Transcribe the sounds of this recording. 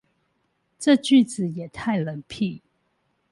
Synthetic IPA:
ʈ͡ʂɤ˥˧t͡ɕy˥˨t͡sɹ̩˨˩jɛ˨˩t̪ʰa˥˩ɪlə˨˦npʰi˥˨

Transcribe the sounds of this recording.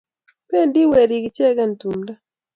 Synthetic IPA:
pe˦˨ndi˦we˨ɾi˨ɡi˨t͡ʃɛ˦ɡa˦˨n˨tu˨mda˦

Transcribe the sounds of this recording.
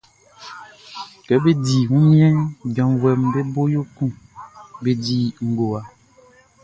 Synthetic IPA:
kɛ˨˦be˦di˨ŋũ˦mĩ˦ɛ̃˦nbã˨vwɛ˨mbe˦bo˦jo˦kũ˦be˨di˨ŋ̩˨ɡo˨a˨

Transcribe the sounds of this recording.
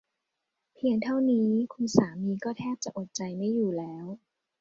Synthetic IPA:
pʰi˧əŋt̪ʰa˥˩wniː˦˥kʰu˧nsaː˩˦miː˧kɔː˥˩t̪ʰɛː˥˩p̚t͡ɕa˨˩ʔo˨˩t̪̚t͡ɕa˧jma˥˩jːuː˨˩lɛː˦˥w

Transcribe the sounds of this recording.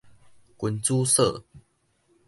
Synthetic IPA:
kə˨˦nt͡su˦sə˥˨

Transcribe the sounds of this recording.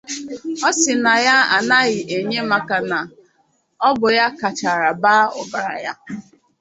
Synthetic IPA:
ɔ˦sɪ˨na˨ja˦a̰˨na˦ɣɪ˨ʔe˨ɲe˦ma˨ka˨na˨ | ɔ˦bʊ˨ja˦ka˨t͡ʃa˨ɾa˨ba˦ʊ̰˦ba˨ɾa̰˨ja˦

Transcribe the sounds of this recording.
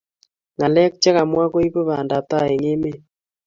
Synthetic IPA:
ŋa˨lɛ˦k̚t͡ʃɛ˦ɣa˨mwa˦ko˦i˦βo˦βa˨nda˨ta˦˨e˨ŋe˦me˦

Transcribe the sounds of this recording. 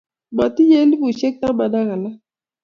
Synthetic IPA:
ba˨ti˦je˦li˦bu˨ʃɛ˦k̚ta˦ba˨da˦ɣa˨la˦

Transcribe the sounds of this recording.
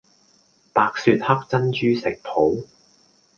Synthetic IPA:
paː˧k̚syː˧t̚hɐ˥k̚t͡sɐ˥nt͡ʃyː˥sɪ˨k̚p̪ʰo˨˥w

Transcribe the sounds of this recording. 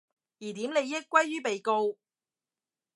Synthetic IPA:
jiː˨˩t̪iː˨˥mne˨˧jjɪ˥kːwɐ˥jːyː˥pe˨jko˧w

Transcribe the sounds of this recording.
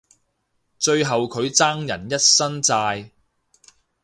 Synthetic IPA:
t͡ʃɵ˧ɥɦɐ˨wkʰɵ˨˧ɥt͡saː˥ŋjɐ˨˩njɐ˥t̚sɐ˥nt͡saː˧j

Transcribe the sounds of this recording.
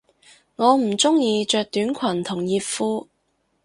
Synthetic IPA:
ŋɔː˨˧m̩˨˩t͡sʊ˥ŋjiː˨˧t͡ʃœː˨˧k̚t̪yː˨˥nkʷʰɐ˨˩nt̪ʰʊ˨˩ŋjiː˧p̚fuː˥

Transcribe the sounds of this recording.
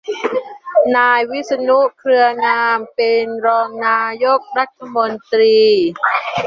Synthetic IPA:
naː˧jwi˦˥sa˧nu˦˥ʔkʰɾɯ˧ɐnaː˧mpe˧nɾɔː˧ŋnaː˧jo˦˥k̚ɾa˦˥t̪ʰːa˧mo˧nt̪ɾiː˧

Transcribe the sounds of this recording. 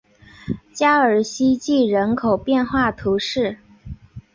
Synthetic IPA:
t͡ɕja˥ə˞˨˩ɕi˥t͡ɕi˥˩ɻə˧˥nkʰo˨˩ʊpjɛ˥˧nxwa˥˩t̪ʰu˧˥ʂɻ̩˥˩

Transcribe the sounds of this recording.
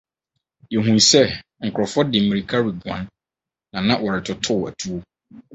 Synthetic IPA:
jɛ˨ɦũ˨nsɛ˦ | ŋ̩˨kʰʊ˨ɾɔ˨fɔ˦dɪ˨mĩ˨ɾi˨kʰa˦ɾi˨ɡã̰˦nː | ã˨nã˦wʔɔ˨ɾɪ˨tʰʊ˨tʰʊ˦˨æ̰˨tʰu˦o˦

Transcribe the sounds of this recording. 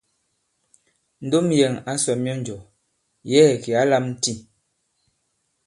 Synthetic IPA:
n̩˦do˦mjɛ˨ŋa˦sɔ˨mi˦ɔ˦n˨d͡ʒɔ˨ | jɛ˦˨ki˨a˦la˦mn̩˦ti˦˨

